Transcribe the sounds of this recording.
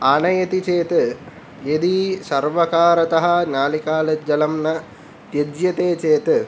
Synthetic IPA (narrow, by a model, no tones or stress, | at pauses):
aːnɐjɐt̪it͡ʃeːt̪ɨ | ed̪isɐɾʋɐkaːɾɐt̪ɐɦɐnaːlikaːlɐd͡ʒɐlɐmnɐ | t̪jɐd͡ʒjɐt̪eːt͡ʃeːt̪ɨ